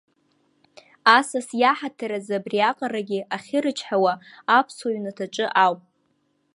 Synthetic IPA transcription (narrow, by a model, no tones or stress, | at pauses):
asasjaħatʰaɾazabriaqʼaɾaɡʲɪʔaχʲɪɾɨt͡ʃʰħawa | apʰsoɥnatʰaʈ͡ʂʼɨʔawpʼ